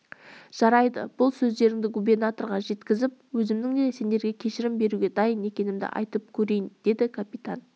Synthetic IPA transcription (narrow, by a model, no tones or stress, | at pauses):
ʒ̥ɑɾɑjd̪ə̰b̥ʊlˠsɵzd̪e̞ɾɪŋd̪ɪɡube̞rnat̪oɾʁɑʒe̞t̪kʲɪzɪp̚wɵzɪmd̪ɪŋd̪e̞se̞nd̪e̞ɾɡʲe̞kʲʰe̞ʃɪɾɪmbe̞ɾuɡʲe̞d̪ɑjəne̞kʲe̞nɪmd̪ɪ̰ʔɑ̰jt̪əp̚kʲʰɵɾe̞jɪnd̪̥e̞d̪ɪkʰapit̪an